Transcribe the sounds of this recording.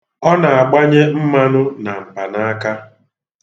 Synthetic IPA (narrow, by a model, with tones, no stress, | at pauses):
ɔ˦na˨a˨ɡ͡ba˦ɲe˦m̩˦ma˦nʊ˦na˨m̩˨pa˨na˦a˦ka˦